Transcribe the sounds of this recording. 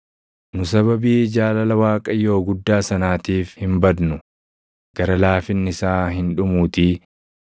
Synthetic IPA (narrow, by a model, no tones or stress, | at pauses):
nʊsɐβɐbiːd͡ʒaːlɐlɐwaːkʼɐjo̞ːɡʊd̪ːaːsɐnaːt̪iːfhɪmbɐd̪nʊ | ɡ̥ɐɾɐlaːfɪnːɪsaːɦɪnᶑʊmuːt̪i